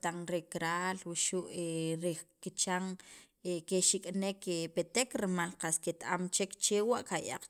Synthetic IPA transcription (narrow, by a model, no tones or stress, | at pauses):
t̪aŋɾekɾaːlwiʃuʔeɾekit͡ʃaŋ | ekeʃikʼnekepet̪ekɾmalqasket̪aamt͡ʃekt͡ʃewaʔkaja̰q͡χ